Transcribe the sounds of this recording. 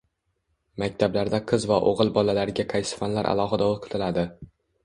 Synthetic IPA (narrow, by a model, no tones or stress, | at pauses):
makʲt̪ʰablaɾd̪aqʰɨzvaʔo̰ʁɨlˠbɒlalaɾɪɡʲaqʰɑjsɪ̥fanlaɾʔa̰lˠɒɦɨd̪aolˠqʰɨ̥t̪ʰɪlad̪ɪ